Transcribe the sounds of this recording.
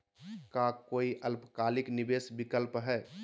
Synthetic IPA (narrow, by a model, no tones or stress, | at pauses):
kakoiʔəlpkalɪknibesbikəlpɦɛ